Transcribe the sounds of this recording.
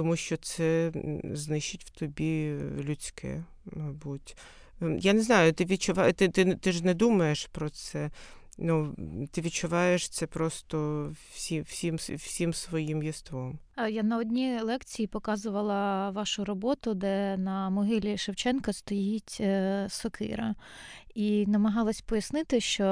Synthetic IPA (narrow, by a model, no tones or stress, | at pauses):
t̪ɔmuʃt͡ʃɔt̪sɛznɪʃɪtʲw̥t̪ɔbʲilʲʊt͡sʲkɛ̰ | mɐbutʲ | janɛznɑjʊt̪ɪʋʲid̪̚t͡ʃʊʋɑt̪ɪt̪ɪt̪ɪʒnɛd̪umɐjeʃpɾɔt̪sɛ | nut̪ɪʋʲid̪̚t͡ʃʊʋɑjeʃt̪sɛpɾɔst̪ɔwsʲiwsʲimwsʲimsʋɔjimjist̪ʋɔmjanɐɔdʲnʲilˠɛkt͡sʲijipɔkɑzʊʋɐlˠɐʋɑʃʊɾɔbɔt̪ʊd̪ɛnɐmɔɦɪlʲiʃɐwt͡ʃɛnkɐst̪ɔjitʲsɔkʰɪ̰ɾɐ | inɐmɐɦɑlˠɐsʲpɔjɐsnɪt̪ɪʃt͡ʃɔ